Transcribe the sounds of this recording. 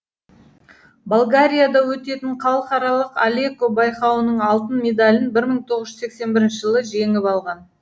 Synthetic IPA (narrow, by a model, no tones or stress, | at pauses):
balˠɡaɾʲijad̪ɑwɵt̪e̞t̪ɪɴqʰɑlˠəqɑɾɑlˠəqalʲekobɑjqɑwənəɴɑlˠt̪ənmʲe̞d̪alʲɪnbɪɾməɴt̪ʰo̞ʁəzʒʏze̞kse̞nbɪɾɪnʃɪʒəlˠəʒe̞ŋɪpɑlˠʁɑn